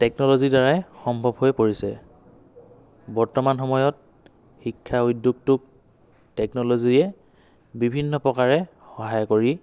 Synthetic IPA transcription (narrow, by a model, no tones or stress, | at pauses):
tɛk̚nɔlozidaɹajxɔmbʱɔbɦojpoɹisɛ̰ | bɔɹtɔmanxɔmɔjɔt̚ | xikʰːaujdjuɡ̚tʊk̚ | tɛknɔloziɛ | bibʱinːɔpɹɔkaɹɛ | xɔɦajɔkoɹi